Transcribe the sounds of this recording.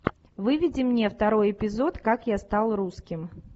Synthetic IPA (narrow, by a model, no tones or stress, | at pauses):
vɨvʲɪdʲɪmnʲe̞ft̪ɐɾo̞jɪpʲɪzo̞t̪kakjast̪alˠruskʲɪm